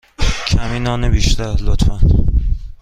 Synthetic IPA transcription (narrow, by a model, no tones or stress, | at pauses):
kʲʰæminɒːnebiʃt̪ʰalot̪fan